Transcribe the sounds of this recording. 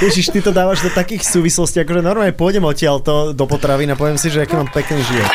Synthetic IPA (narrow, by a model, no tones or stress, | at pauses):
jɛt͡ʃiʃt̪it̪ɔd̪aːʋaʒd̪ɔt̪akiːxsuːʋislɔsciakɔʒɛnɔɾmaːlɲɛpʊɔjɟɛmɔcɪalt̪ɔd̪ɔpɔt̪ɾaʋinapɔʋɛmsiʒɛakiːmampɛkniːʒiʋɔt̪